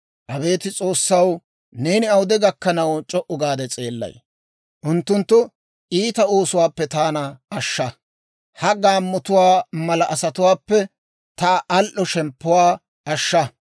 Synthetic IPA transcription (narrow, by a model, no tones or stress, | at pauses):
ʔɐbe̞ːt̪ɪt͡sʼo̞ːsːɐw | neːnɪɐwd̪ɛɡɐkːɐnɐwt͡ʃʼɔʔʊɡaːd̪ɛt͡sʼe̞ːlːɐ̰j | ʔʊnt̪ːʊnt̪ːʊ | ʔiːt̪ɐo̞ːsʊwaːpːɛt̪aːnɐɐʃːɐ | hɐɡaːmːɔt̪ʊwaːmɐlɐʔɐsɐt̪ʊwaːpːɛ | t̪aʔɐlʔɔʃɛmpːʊwaː | ɐʃːɐ